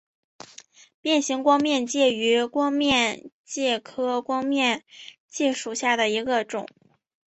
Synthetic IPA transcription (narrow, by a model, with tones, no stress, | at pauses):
pjɛ˥˩nɕi˧˥ŋkwɑ˥ŋmjɛ˥˧nt͡ɕjɛ˥˩y˧˥kwɑ˥ŋmjɛ˥˧n | t͡ɕjɛ˥˩kʰɤ˥kwɑ˥ŋmjɛ˥˧n | t͡ɕi˥˧ʂu˨˩ɕja˥˩d̪ə˩i˧˥ɡə˧ʈ͡ʂʊ̰˨˩˦ŋ